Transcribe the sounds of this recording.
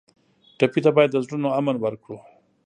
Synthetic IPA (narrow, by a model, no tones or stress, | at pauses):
ʈapit̪abɑjad̪ːəzɽunoamənwəɾkɽu